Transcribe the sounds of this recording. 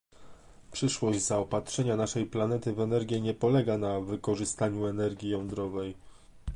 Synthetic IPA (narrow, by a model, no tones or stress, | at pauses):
pʂɘʂwɔʑd͡ʑzaɔpatʂɛɲanaʂɛjplan̪ɛt̪ɘvɛnɛɾɡʲjɛɲɛpɔlɛɡanavɘkɔʐɘst̪aɲuɛnɛɾɡʲijɔnd̪ɾɔvɛj